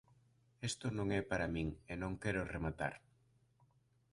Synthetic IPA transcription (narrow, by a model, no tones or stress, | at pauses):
est̪ʊnõŋɛpaɾamĩŋenõŋkɛɾoremat̪a̰ɾ